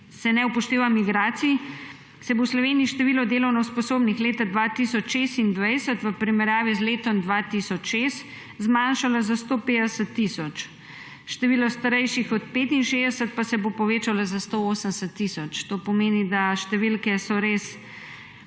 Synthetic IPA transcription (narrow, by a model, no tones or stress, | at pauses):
sɛnɛupɔʃt̪eːʋamiɡɾaːt̪sii | sɛbowslɔʋeːniːʃt̪ɛʋiːlɔd̪eːlɔwnɔwspɔsoːbnixleːt̪ad̪ʋat̪isɔt͡ʃʃest̪ind̪ʋɛjsət̪ʋəpɾimɛɾjaːʋizleːt̪ɔmd̪ʋat̪isɔt͡ʃʃest̪ | zmaːnʃalazast̪oːpeːd̪əsət̪ːisɔt͡ʃ | ʃt̪ɛʋiːlɔst̪aɾɛjʃixɔt̪̚peːt̪inʃeːzd̪ɛsət̪̚pasɛbopɔʋeːt͡ʃalazast̪ooːsəmsət̪ːisɔt͡ʃt̪oːpɔmeːnid̪aʃt̪ɛʋilkɛsɔɾes